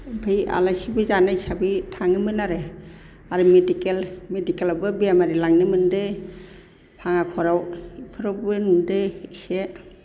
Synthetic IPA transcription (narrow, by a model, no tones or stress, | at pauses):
bʱɯja̰lasibɯzanaisabitʰaŋɯmɯnaɾe | aɾɯmedikelmedikelabɯbiamaɾilaŋnɯmɯnde | pʰaŋakʰɔɾawpʰɯɾɔbɯnundese